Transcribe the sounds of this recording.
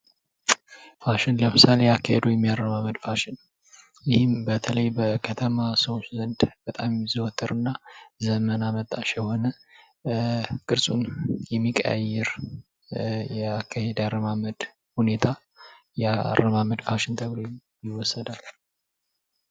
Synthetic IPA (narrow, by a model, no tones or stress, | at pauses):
faʃɪnləmɨsale̞akːahed̪ujɛmːijarːəmaməd̪faʃɪn | jɪhɪmbət̪ʰələjbəkʰət̪ʰəmasowszənd̪b̥ət̪ʼamziwɔt̪ʰːəɾɨnːazəmənamət̪ʼːaʃɛho̞nə | kʼɨɾsʼunjɛmːikʼə̰jɛɾ | jɛakʰːahed̪aɾəmaməd̪ | hune̞t̪ʰa | jɛa̰rːəmaməd̪faʃɪnt̪ʰəɡlo | jɪwːɔsːəd̪al